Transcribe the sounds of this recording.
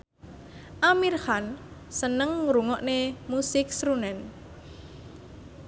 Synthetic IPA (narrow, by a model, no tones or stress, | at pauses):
ʔamirhansənəŋɾuŋɔʔnemusɪk̚sɾunɛn